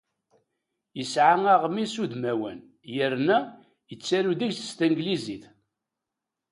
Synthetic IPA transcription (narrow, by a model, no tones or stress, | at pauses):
jəsʕaŋaʁmisud̪mæwə̰n | jəɾnæ | jət͡sːæɾuðiçθə̥st̪æŋɡliziθ